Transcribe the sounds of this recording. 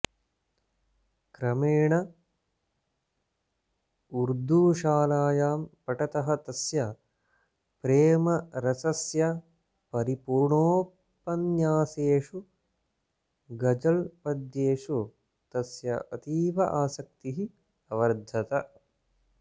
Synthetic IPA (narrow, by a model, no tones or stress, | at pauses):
kɾɐmeːɳɐ | uɾd̪ʱuːʃaːlaːjaːmpɐʈɐt̪ɐɦɐt̪ɐsjɐ | pɾeːmɐɾɐsɐsjɐ | pɐɾipuːɾɳoː | pɐnjaːseːʂu | ɡɐd͡ʒɐlpɐd̪jeːʂu | t̪ɐsjɐ̰ʔɐt̪iːʋɐʔaːsɐk̚t̪iɦi | ɐʋɐɾd̪ʱɐt̪ɐ